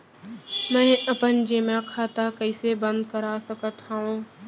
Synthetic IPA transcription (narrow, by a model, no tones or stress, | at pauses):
mɛ̃ːəpənd͡ʒeːmãkʰaːt̪akəɪsebə̃nd̪̚kəɾaːsəkət̪aõː